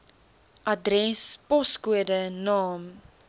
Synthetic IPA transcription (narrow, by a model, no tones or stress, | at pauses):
ʔɐdrɛspɔskuədənɑːm